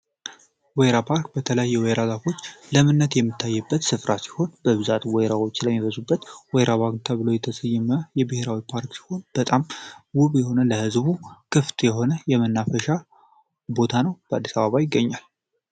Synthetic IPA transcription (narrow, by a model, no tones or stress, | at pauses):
wejɾapʰaɾkbət̪ʰələjajːɛwɛjɾalafo̞t͡ʃːləmɨnːət̪jɛmːɨt̪ʰːajːɛbːət̪sɨfɾasi̥ho̞nbəβɨzat̪ʼwɛjɾawo̞t͡ʃːləmːiβəzubːət̪wɛjɾʔaβaɡ̪t̪ʰaβɨlojɛt̪ʰəsəjːɛməjɛbɨheɾawipʰaɾksi̥ho̞nb̥ət̪ʼamwʊβjɛho̞nələhɨzβukʰɨft̪ʼjɛɦo̞nəjɛmɨnːafəʃa | bo̞t̪ʰanəwb̥əad̪ːisaβaβajɪɡːəɲːal